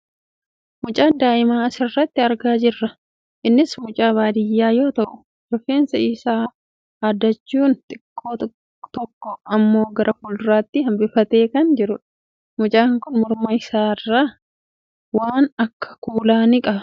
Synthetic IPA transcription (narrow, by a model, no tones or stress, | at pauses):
mʊt͡ʃʼaːnd̪aːʔɪmaːɐsɪrːɐt̪ːɪɐɾɡaːd͡ʒɪrːɐ | ʔɪnːɪsmʊt͡ʃʼaːβaːd̪ɪjːaːjo̞ːt̪ɐʔʊ | d͡ʒɔfeːnsɐiːsaː | aːd̪ːɐt͡ʃːuːnt̪ʼɪkʼːoː | t̪ɔkːɔɐmːo̞ːɡɐɾʔɐfʊlɾaːt̪ːɪhɐmbɪfɐt̪e̞ːkɐnd͡ʒɪɾʊᶑɐ̥ | mʊt͡ʃʼaːŋkʊnmʊɾmɐɪsaːɪrːaː | waːnɐkːɐ̥kuːlaːnɪkʼɐbɐ